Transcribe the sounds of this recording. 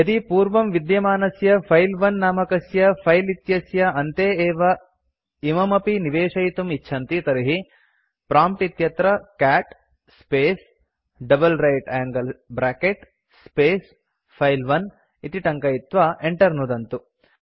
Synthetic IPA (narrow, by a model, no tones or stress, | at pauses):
ɐt̪ipuːɾʋɐmʋid̪jɐmaːnɐsjɐpʰɐjlʋɐnːaːmɐkɐsjɐpʰɐjlit̪jɐsjɐɐnt̪eːeːʋɐ | imɐmɐpiniʋeːʂɐɦit̪umitːʃʰɐnt̪it̪ɐɾiɦi | pɾaːmp̚ʈit̪jɐt̪ɾɐkaːʈ | speːs | ɖɐbɐlɾɐjʈaːŋɡɐlbɾaːkeʈ | speːs | pʰɐjlʋɐn | it̪iʈɐŋkɐjit̪ʋaːʔeɳʈɐɾnud̪ɐnt̪u